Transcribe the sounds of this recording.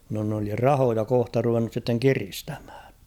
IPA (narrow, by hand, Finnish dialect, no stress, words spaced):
no n oli rɑhojɑ kohtɑ ruʋenːus sitːeŋ kiristæ̥m̥hæ̥ːj̊